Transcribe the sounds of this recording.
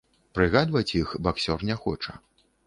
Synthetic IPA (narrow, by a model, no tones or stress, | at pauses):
pɾɨɣad̪vɐt͡sʲjixbaksʲɔrnʲɛxɔ̰t͡ʂɐ̰